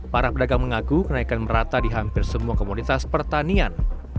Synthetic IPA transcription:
paɾapədaɡaŋməŋakukənaikanməɾat̪adiɦampɪrsəmuakomonit̪aspərt̪anian

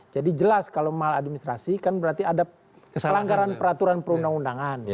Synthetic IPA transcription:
d͡ʒadid͡ʒəlaskalowmaɦaladminist̪ɾasikanbəɾart̪iada | əlaŋɡaɾanpəɾat̪uɾanpəɾundaŋundaŋan

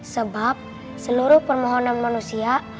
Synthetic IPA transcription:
səbap̚ | səloɾopəɾmɔɦɔnamnmənusijaʔ

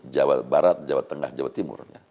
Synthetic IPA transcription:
d͡ʒawa̰t̪̚baɾat̪̚d͡ʒawat̪ːəŋa̰hd͡ʒawat̪ːimʊ̰rja

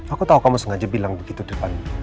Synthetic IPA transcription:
akut̪aɦukamusəŋad͡ʒabilaŋbəɡit̪udərpan

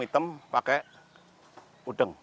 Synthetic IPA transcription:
it̪əmpakɛʔ | uɖ̥əŋ

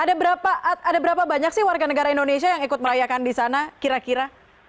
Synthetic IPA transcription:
adabəɾapaʔadabəɾapabaɲak̚sɪhwarɡanəɡaɾaindonesiajaŋikʊt̪̚məɾajakandisanakiɾakiɾa

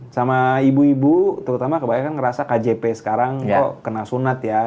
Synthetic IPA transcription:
samaibuibut̪əɾut̪amakəbajakankəɾasakad͡ʒepesə̥kaɾaŋɔʔkənasunat̪ja

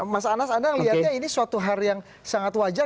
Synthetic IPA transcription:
masaːnasadaŋliat̪̚ɲainisuat̪uɦarjaŋ | saŋat̪wad͡ʒa

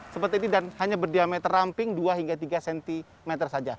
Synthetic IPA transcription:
səpərt̪inidanhaɲabərdiamɛt̪ərampɪŋduaɦiŋɡat̪iɡasɛnt̪i | mɛt̪ərsad͡ʒa

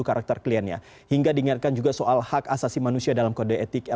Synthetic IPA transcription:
ukaɾak̚t̪ɛrkliɛnɲa̰ | hiŋɡadiːŋat̪̚kand͡ʒuɡasoʔalhakasasimanusiadalamkodəɛt̪ɪkɛ

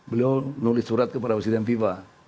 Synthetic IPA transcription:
bəlianulɪssːuɾat̪̚kəpadapɾɛsidɛnfifa

